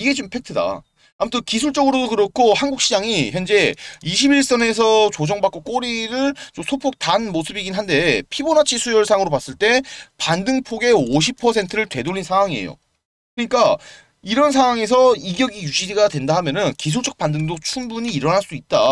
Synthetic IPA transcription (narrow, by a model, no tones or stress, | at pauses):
iɡe̞t͡ɕompʰek̚tʰɯda̰ | amutʰɯkis̬ʰuɭt͡ɕ͈ʌɡɯɾodokɯɾʌkʰohanɡuk̚ɕ͈ʰid͡ʑaŋiçjʌnd͡ʑe̞iɕʰibiɭs͈ʌne̞s̬ʰʌt͡ɕod͡ʑʌŋbak͈ok͈oɾiɾɯɭt͡ɕosʰopʰok̚tanmosʰɯbiɡinɦande̞pʰibonat͡ɕʰisʰujʌɭsʰaŋɯɾopas͈ɯɭt͈epandɯŋpʰoɡe̞oɕ̬ʰipʰʌsʰe̞ntʰɯɾɯɭtwe̞doʎːinsʰaŋwaŋiḛjo̰ | kɯɲik͈a | iɾʌns̬ʰaŋwaŋe̞s̬ʰʌiɡjʌɡijuɕiɾiɡadwe̞ndaɦamjʌnɯnkis̬ʰuɭt͡ɕ͈ʌk̚p͈andɯŋdot͡ɕʰumbuɲiːɾʌnɦaɭs͈uit̚t͈a